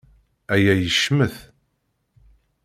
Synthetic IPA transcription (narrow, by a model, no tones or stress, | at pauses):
æjæjəʃməθ